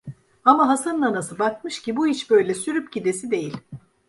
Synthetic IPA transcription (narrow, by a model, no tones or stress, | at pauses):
amaɦasanːanasɯbakmɯʃcibuit͡ʃbø̞jlʲɛsyɾypcid̪e̞sid̪e̞jilʲ